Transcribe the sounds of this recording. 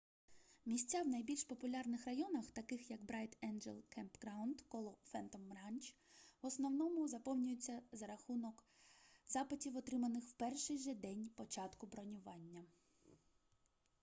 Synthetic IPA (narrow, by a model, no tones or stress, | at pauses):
mʲisʲt͡sʲːawnɐjbʲilʲʃpɔpʊlʲɑrnɪxrɐjɔnɐxt̪ɐkɪxjɐkbɾɛjt̪ɛnd͡ʒɛ̰lˠkʰɛmpɡɾɑwnd̪kɔlˠɔfɛnt̪ɔmːɾɑnʲt͡ʃʋɔsnɔwnɔmʊzɐpɔwnʲʊjet͡sʲːɐzɐɾɐxunɔk | zɑpɪtʲiwɔt̪ɾɪmɐnɪxw̥pɛrʃɪjʒɛd̪ɛnʲpɔt͡ʃɑt̪kʊbɾɔnʲʊʋɑnʲːɐ